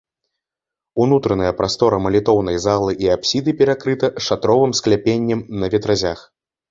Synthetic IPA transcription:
unut̪ɾɐnɐjɛpɾʔast̪ɔɾɐmɐlʲit̪ɔwnɐjzalˠɨʔiapsʲid̪ɨpʲɛɾakɾɨt̪ɐʂat̪ɾɔvɨmsklʲapʲenʲːɛmnɐvʲɛt̪ɾazʲax

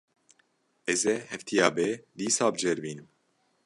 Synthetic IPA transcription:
ɛzɛhɛft̪ʰijɑːbɛd̪iːsaːbd͡ʒɛɾbiːnɨm

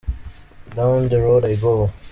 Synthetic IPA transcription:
dãʊ̃nd̪əɹoːdaɪɡoː

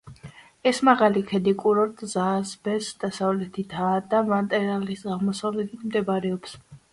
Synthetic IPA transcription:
ɛsmaʁalikʰɛd̪ikʼuɾɔɾt̪ʼzazbɛsd̪̥asavlɛt̪ʰit̪ʰaːd̪amat̪ʼɛɾalisɡaʁmɔsavlɛt̪ʰit̪ʰmd̪ɛbɾɛɔps

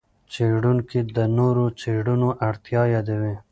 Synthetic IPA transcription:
t͡ʃeɖunkid̪ənoɾot͡ʃeɽunoʔaɽt̪jɑjɑd̪awe

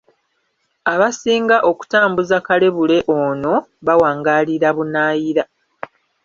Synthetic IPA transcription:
aβasiːŋɡaʔo̞ku̥taːmbuzakale̞βule̞ʔoːno̞βawaːŋɡaːliɾaβunaːjiɾa

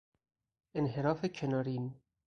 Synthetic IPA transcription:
enɦeɾɒːfekʰenɒːɾin

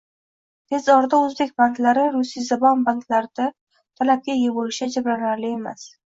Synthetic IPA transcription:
t̪ʰe̞zɒɾd̪aɵzbekʲbant̪laɾɪɾʊsijzabɒnbant̪ʰlaɾd̪̥a | t̪ʰalap̚kʲajebolɪʃad͡ʒabɾanaɾlɪe̞mas

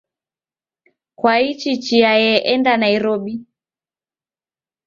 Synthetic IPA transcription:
kwait͡ʃit͡ʃiajɛʔɛndanaiɾɔɓi

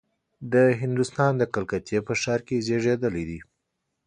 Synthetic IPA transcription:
d̪əɦɪnd̪ust̪ɑnd̪əkalkat̪jepəʃɑɾkezeʐed̪əlid̪i

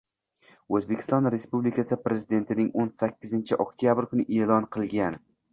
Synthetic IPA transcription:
ɵzbekʰʲɪ̥st̪ɒnɾe̞spublikʲʰasɪpɾe̞zɪd̪e̞nt̪ʰɪnɪŋonsakʲːɪzɪnt͡ʃʰɪʔokt̪ʰijabɪɾkʊnɪʔelɒnqʰɨlˠɡʲan

